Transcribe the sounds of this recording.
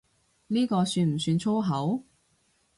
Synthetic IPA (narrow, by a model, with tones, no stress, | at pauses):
niː˥kɔː˧syː˧nm̩˨˩syː˧nt͡ʃʰo˥wɦɐ˨˥w